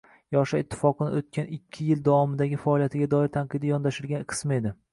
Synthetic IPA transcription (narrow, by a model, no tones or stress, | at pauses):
jɒʃaɪt̪ʰːɪ̥fɒqɨnɪ̰ot̪̚kʲʰanɪkʲʰːɪjɪld̪awɒmɪd̪aɡʲɪfaɒlˠijat̪ʰɪɡʲad̪ɒɪɾt̪ʰanqɨd̪ɪjɒnd̪aʃɪɾɡʲanqʰɨ̥smɪed̪ɪ